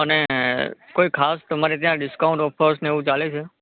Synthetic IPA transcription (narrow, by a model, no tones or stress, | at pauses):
əne | koikʰast̪əmaɾet̪jãɖɪskaʊ̃ɳʈɔfʰəɾsneeʋũt͡ʃalet͡ʃʰe